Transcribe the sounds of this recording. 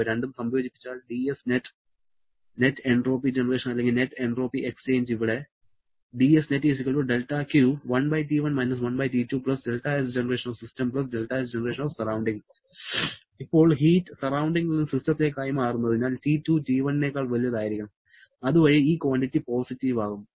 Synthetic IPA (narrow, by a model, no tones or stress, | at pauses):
ɾeɳɖumsɐmjo̞ːd͡ʑipːi̥t͡ɕːaːɭɖiesneʈː | netːeɳɖro̞ːpid͡ʑenɐre̞ːʂɐnɐlːeŋɡilne̞tːeɳɖro̞ːpiʔekst͡ɕe̞ːɲd͡ʑiʋiɽe̞ | ɖiesnetːʋis̬ikʲːɐɭoɖe̞lʈːaːkjuːʋɐnbɐjtiːʋɐnmɐjnɐs̬ʋɐnbɐjtiːtːuːpɭɐsɖe̞lʈaesd͡ʑenɐre̞ːʂɐnoʋsistɐmpɭɐs̬ɖelʈaːes̬d͡ʑenɐreːʂɐnoːʋsɐrawɳɖiŋɡ | ipːo̞ːɭɦiːtːɨsɐrawɳɖiŋɡuɭːɐnɨsistɐt̪ːekːaːjɐmaːrunːɐðiɲːaːltitːuːd͡ʑiːʋɐnːeːkːaːɭʋɐlijɐðaːjiɾikʲːuɳɐm | ɐðuʋɐɻiiːkʋaːɳʈitːipoːsitːiʋaːɣumː